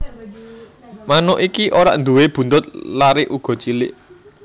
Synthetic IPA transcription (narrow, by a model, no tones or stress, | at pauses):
manɔʔikiʔoɾa̰ʔnd̪uweb̥ṳnt̪ʊt̪̚laɾɪʔuɡ̥ɔ̤t͡ʃilɪʔ